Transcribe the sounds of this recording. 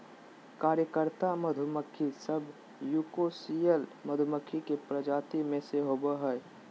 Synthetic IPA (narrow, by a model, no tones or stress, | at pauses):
kaːɾjəkəɾt̪aməd̪ʱʊməkʰːisəb | juːkosijəlməd̪ʱʊməkʰikepɾəd͡ʒaːt̪imẽseɦoːbəɦɛː